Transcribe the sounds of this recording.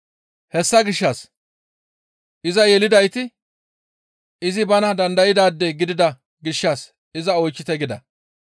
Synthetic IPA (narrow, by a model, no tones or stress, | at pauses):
hɛsːɐɡɪʃːɐs | ʔɪzɐjɛlɪd̪ɐjt̪ɪ | ɪzɪbɐnɐd̪ɐnd̪ɐjɪd̪aːd̪ːɛɡɪd̪ɪd̪ɐ | ɡɪʃːɐs | ɪzɐɔjt͡ʃːɪt̪ɛɡɪd̪ɐ̰